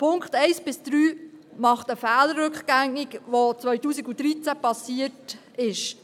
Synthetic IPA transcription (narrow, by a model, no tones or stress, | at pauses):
pʰʊŋkχtɛɪsb̥ɪsd̪̥ɾyːmɑχtəfɛːlərːʏkχɡ̥æŋikʋot͡sʋœʏtuːsiɡud̥̪ɾit͡sæpɑsiət | ɪʃ